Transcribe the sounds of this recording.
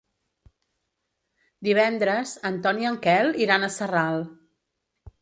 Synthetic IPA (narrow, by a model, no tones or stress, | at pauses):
d̪iβ̞ɛnd̪ɾəzənt̪ɔniəŋkɛlˠiɾanəsəralˠ